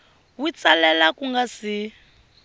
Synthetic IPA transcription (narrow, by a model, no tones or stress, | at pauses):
wi̥t͡salalakuŋɡasi